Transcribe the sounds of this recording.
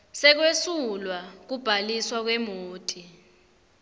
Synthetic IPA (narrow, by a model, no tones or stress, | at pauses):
sɛk̬wesulwak̬ub̥ʱaliswak̬wɛmoːtʼi